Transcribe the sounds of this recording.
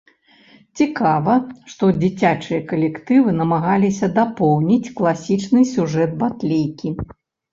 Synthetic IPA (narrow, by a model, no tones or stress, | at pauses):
t͡sʲikavɐʂt̪ɔd͡zʲit͡sʲat͡ʂɨjɐkɐlʲɛkt̪ɨvɨnɐmaɣalʲisʲɐd̪apɔwnʲit͡sʲklˠasʲit͡ʂnɨsʲuʐɛd̪̚bat̪lʲejkʲi